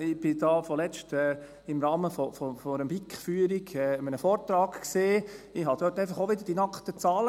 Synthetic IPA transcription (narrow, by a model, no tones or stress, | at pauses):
ɪb̥ɪd̥ɑːfɔlɛt͡ʃtɛː | ɪmɾɑːməfɔfɔfɔɾəmbikχfyːəɾiɡɛːəmənəfɔːɾt̪ɾɑːɡseːɪɦɑd̥̪øːtæɪfɑχoʋɪd̪əɾd̥inɑkχt̪ət͡sɑːlə